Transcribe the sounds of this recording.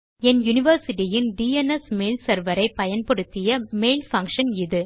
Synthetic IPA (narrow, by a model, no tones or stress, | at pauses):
ɛnjʊnɪʋɐɾsɪʈɪjɪnɖiːɛnɛsmeːlsɐɾʋɐɾɐɪpɐjɐnpɔɽɯt̪ːɪjɐmeːlfɐŋkʂɐnɪðɯ